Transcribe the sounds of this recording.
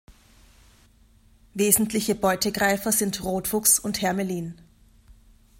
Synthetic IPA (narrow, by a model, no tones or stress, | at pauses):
veːzn̩tlɪçəbɔʏtəɡʁaɪfɐzɪntʁoːtfʊksʊnthɛɐməliːn